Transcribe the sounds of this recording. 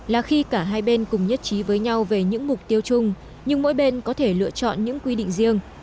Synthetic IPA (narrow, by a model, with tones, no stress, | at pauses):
laː˨˩xi˧kaː˧˩ɦaː˧jɓe˧nkʊ˨˩ŋ͡mɲə˦˥t̚t͡ɕi˨˦vəː˨˦jɲa˧wve˨˩ɲɨ̰˧˥ŋmʊ˨˩k͡p̚t̪i˧əwt͡ɕʊ˧ŋ͡m | ɲɨ˧ŋmo̰˧˥jɓe˧nkɔ˨˦t̪ʰe˧˩lɨ̰˧ət͡ɕɔ̰˧˨nɲɨ̰˧˥ŋkwi˧ɗḭ˧˨ŋ̟zi˧əŋ